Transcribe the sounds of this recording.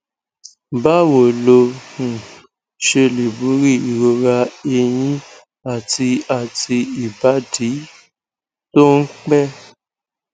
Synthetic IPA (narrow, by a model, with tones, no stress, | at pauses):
ba˦wo˨lo˧nũ˨ | ʃe˧li˨bu˨˦ɾi˦˨i˨ɾo˧ɾa˧e˧j̃ĩ˦ | a˦˨ti˧a˨ti˧i˨ba˨˦di˨˦ | to˦n̩˦k͡pɛ˦